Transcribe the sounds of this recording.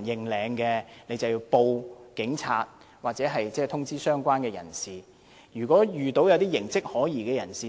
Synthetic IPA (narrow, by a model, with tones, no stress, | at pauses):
njɪ˨ŋlɛː˨˧ŋkɛː˧ne˨˧jt͡sɐ˨wji˧wpo˧wkɪ˨˥ŋt͡sʰa̰ː˧t̚ | waː˨t̚t͡sɛː˨˥ɦɐ˨jt͡sɛː˥˩t̪ʰʊ˥ŋt͡siː˥sœː˥ŋkʷaː˥nkɛː˧jɐ̰˨˩nsiː˨˩ | jyː˨˩kʷɔː˨˥jyː˨˩t̪o˨˥wjɐ˨˧wt̪iː˥jɪ˨˩ŋsɪ˥k̚hɔː˨˥jiː˨˩kɛː˧jɐ˨˩nsiː˨